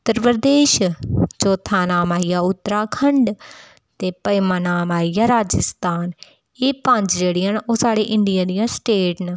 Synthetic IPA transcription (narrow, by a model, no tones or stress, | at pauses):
ʊt̪ːəɾpɾəd̪eːʃt͡ʃoːt̪ʰaːnaːmaːijaːʊt̪ːəɾaːkʰəɳɖ | t̪eːpəɪmãːnaːmaːijaːɾaːd͡ʒəst̪aːn | eːpə̃ɲd͡ʒd͡ʒeːɽijaːnoːsaːɽeːʔɪɳɖɪjãːd̪ijãːsʈeːʈnː